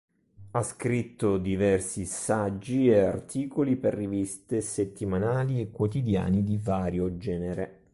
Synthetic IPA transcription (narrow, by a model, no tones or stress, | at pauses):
askɾit̪ːod̪ivɛrsisad͡ʒːieart̪ʰiːkoliperːivist̪eset̪ːimanaːliekːwot̪id̪ja̰ːnid̪ivaːɾjod͡ʒɛːneɾe